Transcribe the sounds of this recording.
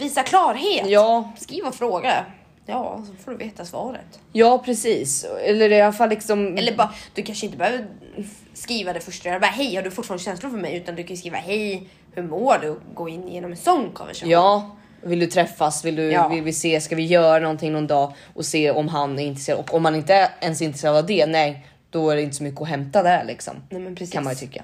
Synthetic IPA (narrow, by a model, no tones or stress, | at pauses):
viːsakʰlɑːɾɦeːtjɑːskɾiːvaɔfɾoːɡa | jɑːsfoɖɵveːt̪asvɑ̰ːɾə̰t̪jɑːpʰɾɛsiːsɛlːəɾɪalafalːɪksɔmɛlːəbd̪̥ɵkʰanʂəɪnt̪əbhøːvəɾ | skɾiːvad̪ɛfœʂʈaɾdbːɾaɦɛjhaɖɵfʊtfːɾanəɕɛnslʊɾfœɾmɛjʉːt̪and̪ɵkʰajʏskɾiːva̰hɛj | hɵmoːɖɛɔɡoːɪnːjeːnɔmɛnsɔnːkʰɔ̰nvɛ̰ʂajɑː | vɪld̪ɵt̪ʰɾɛfːasvɪld̪ɵvɪlvɪseːskavɪjœːɾanɔnt̪ʰɪŋnɔnd̪ɑː | ʔɔseːɔmɦanæɾɪnt̪ɾɛsːɾd̪ɔkːɔmhanɪnt̪əɛnsɪnt̪ɾseːɾad̪avd̪ɛnɛj | d̪̥ɔæɖɛɪnt̪ə̥sɔmʏkːəɔɦɛmt̪ad̪æɾɭɪ̰ksɔ̰mnɛmpʰɾskanmanjʏt̪ʰʏkːa̰